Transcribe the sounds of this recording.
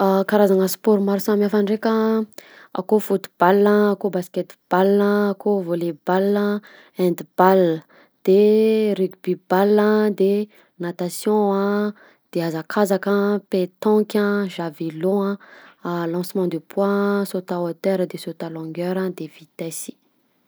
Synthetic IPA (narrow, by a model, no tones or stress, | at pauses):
akaɾazaŋəspɔɾmaɾusamafanrekʲə | a̰kofut̪u̥b̥alːə̃akobaskɛt̪b̥alːəːkovolebalə | ɛ̃nd̪ib̥alə | d̪̥erykb̥ibalːə̃d̪e | nat̪asjɔ̃ã | d̪̥eazakʰazakə̃pet̪ɑ̃kʲə̃ʒavilõãalɑ̃smɑ̃d̪epʰwasot̪aot̪ɛɾəd̪esot̪alɔ̃ŋɡɛɾə̃d̪evit̪ɛsi̥